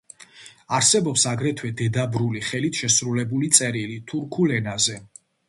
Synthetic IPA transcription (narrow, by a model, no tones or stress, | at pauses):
aɾsɛbɔpsaɡɾɛt̪ʰwɛd̪ɛd̪abɾuliχɛlit̪ʰʃɛsɾulɛbulit̪sʼɛɾilit̪ʰuɾkʰulɛnazɛ